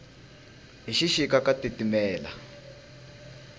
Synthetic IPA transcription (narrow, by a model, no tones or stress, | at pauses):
ɦiʃiʃikakatitimɛːla̰